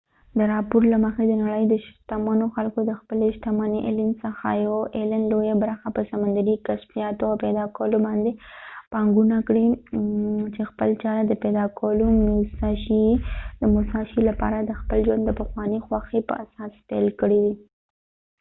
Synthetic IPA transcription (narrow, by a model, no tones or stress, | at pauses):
d̪əɾɑpoɾlaməxed̪ənaɽəjd̪əʃt̪amanoxalkod̪əxpəleʃt̪amaniʔelɪmsəxajawʔelanlojabɾaxapəsamand̪aɾikasfijɑt̪oawpɛd̪ɑkawəlobɑnd̪epɑŋɡunakɽi | t͡ʃexpəlt͡ʃɑɾad̪əpɛd̪ɑkawlomʊsɑʃid̪əmʊsɑʃilapɑ̰ɾad̪əxpəld͡ʒwand̪ːəpəxwɑnəxwaxepə̰ʔasɑspɛ̰lkəɽiw̪i